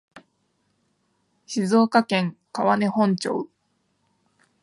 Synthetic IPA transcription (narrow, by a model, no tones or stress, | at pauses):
ɕizo̞ːkakẽ̞ŋkaβane̞hõ̞ɲ̟t͡ɕo̰ɯ